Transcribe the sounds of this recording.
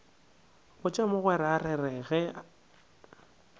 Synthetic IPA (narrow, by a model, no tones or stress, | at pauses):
ɣʊt͡ʃʼamʊɣwɛɾarɛrɛɣɛ